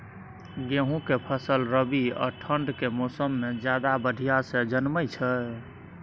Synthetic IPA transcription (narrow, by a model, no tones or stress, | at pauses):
ɡeɦũkepʰəsəlɾəbiɔ̰ʈʰəɳɖkemosəmːed͡ʒjad̪abəɖʱijasẽd͡ʒənməjt͡ʃʰə